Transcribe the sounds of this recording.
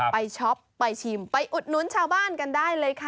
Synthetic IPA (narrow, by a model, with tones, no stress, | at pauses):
pa˧jt͡ɕʰɔ˦˥pːa˧jt͡ɕʰiː˧˩mpa˧jʔu˨˩t̪̚nu˧˦˥nt͡ɕʰaː˧wbaː˥˩nka˧ndaː˥˩jlɤː˧jkʰa˦˧˩